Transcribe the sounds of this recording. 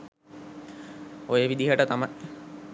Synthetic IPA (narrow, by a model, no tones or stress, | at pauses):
ojəʋid̪iɦəʈət̪amaj